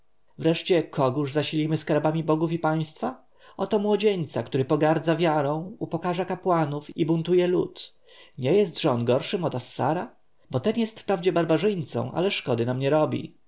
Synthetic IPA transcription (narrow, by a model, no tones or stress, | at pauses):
vɾɛʂt͡ɕɛkʰɔɡuʐzaɕilʲimɘskaɾbamʲibɔɡufipaj̃st̪fa | ʔɔt̪ɔmwɔd͡ʑeɲt̪sakt̪uɾɘpɔɡaɾd̪zavʲjaɾɔ̃w̃upɔkaʐakapwanufibunt̪ujɛlut̪ | ɲɛjɛst̪ʐɛɔnɡɔɾʂɘmɔt̪asːa̰ɾa | bɔt̪ɛnjɛst̪fpɾavd͡ʑɛbaɾbaʐɘjnt̪sɔ̰̃w̃ʔa̰lɛʂkɔd̪ɘnamɲɛɾɔbʲḭ